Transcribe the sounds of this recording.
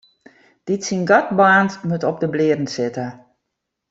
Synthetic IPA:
d̥itsinɡat̚baːntmutɔp̚dəblɪədən̩sɪtə

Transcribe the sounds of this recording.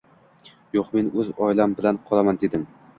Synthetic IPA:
joqme̞nɵzɒjlambɪlanqʰɒlˠamand̪e̞d̪ɪm

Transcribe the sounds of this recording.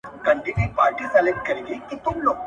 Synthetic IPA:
kɐɳʈinepaːɾʈisɐleʈ̚kɐɾeɡikit̪umlo

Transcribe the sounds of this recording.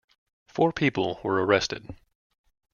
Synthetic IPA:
fɔɹpʰipl̩ˠwə˞əɹɛstɨ̰d̥

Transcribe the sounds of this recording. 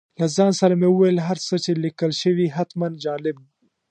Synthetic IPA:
lazɑnsaɾameuwajəlɦaɾt͡sət͡ʃelikəlʃəwiɦat̪mand͡ʒɑlɪb̚ɡi

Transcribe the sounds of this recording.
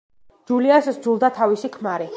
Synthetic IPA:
d͡ʒuliasd̪zulˠd̪at̪ʰavisikʰmaɾi

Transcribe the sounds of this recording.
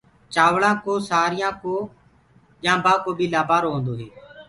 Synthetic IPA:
t͡ʃaːʋɭãːkoːsaːɾɪjãːkoː | ʄãːbaːkoːɓiːlaːbʱaːɾoːɦõːnd̪oːɦeː

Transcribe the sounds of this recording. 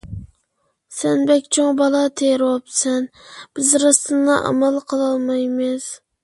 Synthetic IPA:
sɛnbɛkʲt͡ʃʰoŋbɑlˠɑt̪ʰeɾwɑp̚sɛnb̥ɪzɾɑst̪ʰɨndɑʔɑ̰mɛlˠqʰəlˠɑlˠmɑjmɪz̥

